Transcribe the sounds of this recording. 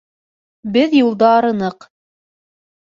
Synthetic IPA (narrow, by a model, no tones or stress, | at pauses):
bɘðjulˠd̪ɑːɾɤ̆nɤq